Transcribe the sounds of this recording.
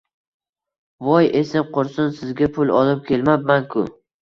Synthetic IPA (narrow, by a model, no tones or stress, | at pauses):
vɒjesɪmqʊɾsʊnsɪzɡʲapʰʊlˠɒlɪp̚kʲʰe̞lmabmankʰʊ